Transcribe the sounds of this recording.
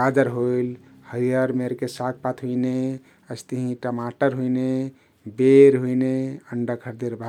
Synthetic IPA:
ad͡ʒəɾɦojl | həɾijəɾmeɾkesak̚ʰpat̪ʰɦuine | əst̪əɦĩʈəmaʈəɾɦuine | beɾɦuineəɳɖəkʰəɾd̪eɾbʱa

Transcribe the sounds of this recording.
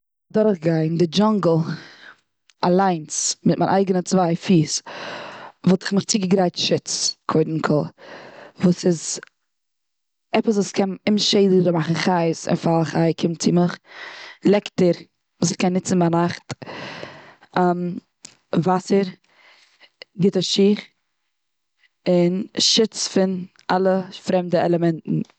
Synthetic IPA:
dɔɾəχɡaɪndɪd͡ʒaŋɡl̩ˠ | a̰lˠaɪnsmɪt̚ma̰ɪnʔaɪɡənət͡svaɪfiːs | vɔlˠtɪ̥χmɪχt͡siːɡəɡɾaɪtʃɪt͡skʰoɪdn̩kʰɔlˠ | vuːsɪz | ɛpəs̬vuːskʰɛnɪmʃeɪd̩ɾəmaχn̩χaɪsɪ̰nfalˠχaɪkʰɪmt͡sɪməχ | lˠɛktəɾ | vuːsɪχkɛnːɪt͡sn̩banaχt | am | vasəɾ | ɡɪtəʃiːχ | ɪnʃɪt͡sfɪn | ʔalˠəfɾɛmdəɛlˠəmɛntn̩

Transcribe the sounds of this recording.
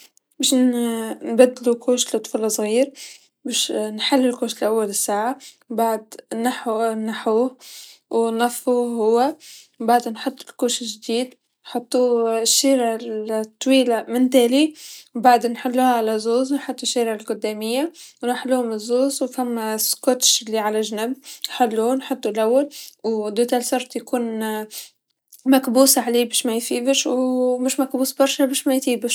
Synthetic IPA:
baʃnnbad̪ːlukuːʃlt̪ˤːfulɑsˤɣiːɾ | baːʃnħalːɪlkoːʃlʔawːalɪsːaːʕa | baʕd̪naħnaħuːwnːɑfːuɦʊwːawbaʕd̪nħʊt̪ˤːɪlkuːʃɪʒd̪iːd̪ | nħɑt̪ˤːuʃːiːɾat̪ˤːwiːlamɪnt̪eːliwbaʕd̪nħɪlːuhaʕalazoːznħʊt̪ˤːuʃːiːɾɪʕɪlɡʊd̪ːaːmɪjːawnaħalːuːhʊmɪzːoːzwfamːaskot̪ʃɪlːiʕalaʒnɪbnħalːunħʊt̪ˤːulʔawːalwd̪ut̪alsɑɾˤt̪ˤjakuːn | makbuːsaʕaleːbiːʃmajfiːbɪʃwmɪʃmakbuːsbɑɾˤʃabiːʃmajt̪iːbɪʃ

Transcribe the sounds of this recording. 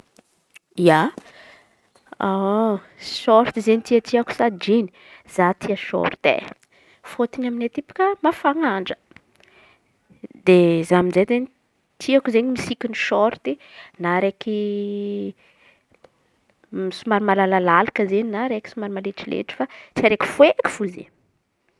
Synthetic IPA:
ija | a | sɔɾt̪izenit̪iət̪iaku̥sad͡ʒini̥ | z̥at̪ʰiəʃɔ̰ɾt̪ḛ | fot̪inaminet̪ipu̥kəmafaŋaɳɖ͡ʐə̥ | d̪ezaminzet̪eni | t̪ʰiakuzenimisikʲiniʃɔɾt̪inaɾeki | misumaɾimalalalalakəzeninaɾeki̥sumaɾimaleʈ͡ʂilḛʈ͡ʂi̥fat͡siaɾeki̥fueki̥fuzḛ

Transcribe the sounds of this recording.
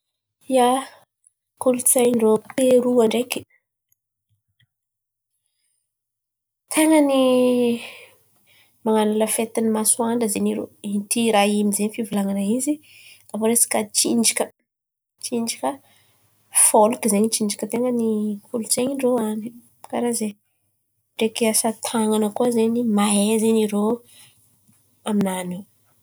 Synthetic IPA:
ia | kulut͡sajɳɖ͡ʐopeɾuaɳɖ͡ʐeki̥ | t̪ʰeŋəni | maŋanuləfet̪inimasuaɳɖ͡ʐəzeniɾo̰it̪iɾaɦimizenifivilaŋanaiziavoɾesi̥kat͡ʃind͡ʒikʲə̥ | t͡ʃinɳd͡ʒikʲə | folukizeɲit͡ʃiɳd͡ʒi̥kʲət̪eŋənikulut͡seɲiɳɖ͡ʐoani | kaɾaze | ʈ͡ʂekeasat̪ʰaŋanəkuazeɲimaezeniɾo | aminani

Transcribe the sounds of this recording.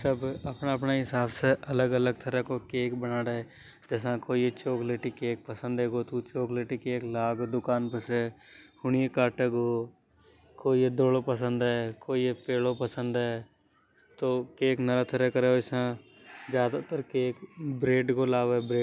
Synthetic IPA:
səbəpnaəpnaɦɪsaːbseʔɐləɡələɡt̪ʰəɾɛkokeːkbənaːɽe | d͡ʒɛs̬ãkoːiet͡ʃoːkleːʈikeːk̚pəsə̃nd̪eːɡoːt̪ut͡ʃoːkleːʈikeːklaːɡod̪ʊkaːnpəsehʊɳijekaːʈeːɡoː | koːied̪oːlopəsə̃nd̪ɦɛːkoːiepeːlopəsə̃nd̪ɛː | t̪oːkeːknəɾat̪ʰəɾɛkəɾeːoɪsã | d͡ʒjaːd̪at̪əɾkeːkbɾeːɖkolaːʋebɾeː

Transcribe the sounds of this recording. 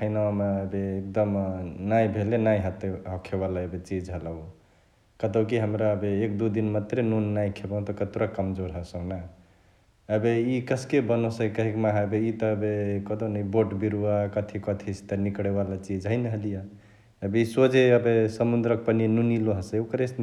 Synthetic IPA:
kʰəɪnawameəbeːk̚d̪əmnajbʱelenajɦət̪eɦɔkʰebalaəbet͡ʃid͡ʒɦələ | kət̪okiɦəmɾaəbeekd̪ud̪inmat̪ɾenunːajkʰebãw̃t̪ɔkət̪uɾakəmd͡ʒoɾɦəsə̃na | əbeikəskebənosəkəɦikmaɦabeit̪ɔːbekəd̪onəiboʈbiɾuakət̪ʰikət̪ʰist̪enikɽebalat͡ʃid͡ʒɦəjnɦəlija | əbeisod͡ʒeəbesəmund̪ɾək̚pəninuniloɦəsəokəɾes

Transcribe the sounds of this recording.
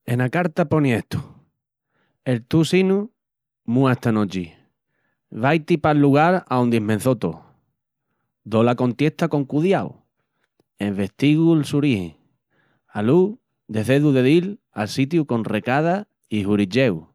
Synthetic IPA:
e̞nakaɾt̪apo̞niet̪u̥ | e̞lt̪usinu | mũat̪anot͡ʃi | βajt̪ipalːuɣaɾaond̪imẽn̟θot̪o̰ | d̪olako̞nt̪je̞ht̪ako̞ŋkuðjaw | emβe̞ht̪iɣulsuɾihḛŋ | alu | d̪e̞θe̞ðuðe̞ðil | a̰lsit̪juko̞nre̞kað̞a | ihuɾit͡ʃe̞w

